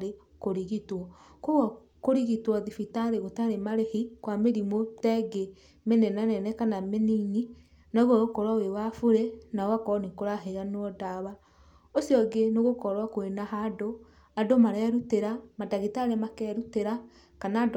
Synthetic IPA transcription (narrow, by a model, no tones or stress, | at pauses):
e | koɾiɣitwɔ | koɣɔ | koɾiɣitwɔðifitaɾeɣotaɾemaɾehikwameɾimotɛɡe | menɛnanɛnɛkanamenini | naɣoɣokɔɾwawewafuɾenaowakɔnikoɾaɦeɾanwɔdaβa | osjɔɡenoɣokɔɾwakoenaɦado | adomaɾɛɾuteɾamadaɣitaɾemakɛɾuteɾa | kanad